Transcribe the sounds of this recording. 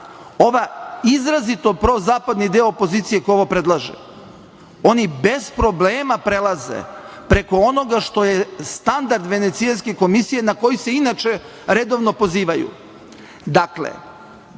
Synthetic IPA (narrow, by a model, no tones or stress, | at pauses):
o̞ʋaizɾazit̪opɾozaːpad̪nid̪eoopo̞ziːt̪sije̞kojoʋopɾe̞d̪lˠaʒḛ | o̞nibe̞zpɾo̞bleːmapɾelˠazḛ | pɾe̞ko̞ono̞ɡaʃt̪o̞jest̪and̪aɾd̪ʋe̞net̪sianskeko̞misije̞nako̞jise̞inat͡ʃe | ɾe̞d̪o̞ʋno̞po̞ziːʋajṵ | d̪aklḛ